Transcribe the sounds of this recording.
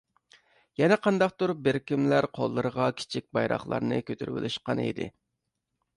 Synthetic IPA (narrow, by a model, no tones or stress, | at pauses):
jɛnɛqʰɑnd̪ɑqt̪uɾp̚bɪɾkʲimlæɾqʰolˠːɨɾəʁɑkʲʰi̥t͡ʃʰik̚ʲbɑjɾɑ̰χlˠɑ̰ɾnɨ̰kʲʰøt̪ʰyɾwɪ̰lʃqɑnḭd̪ɪ̰